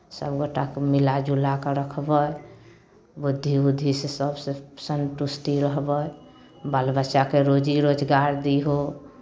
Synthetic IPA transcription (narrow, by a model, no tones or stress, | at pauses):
səbɡoʈakemilad͡ʒulakeɾəkʰbəj | bud̪ʱːibud̪ʱːisesəbsesənʈusʈiɾəɦbəj | bəlbət͡ʃakeɾod͡ʒiɾod͡ʒɡaɾd̪iɦo